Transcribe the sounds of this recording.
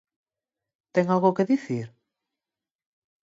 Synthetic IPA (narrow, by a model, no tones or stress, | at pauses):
t̪ɛŋalɣokeðiθiɾ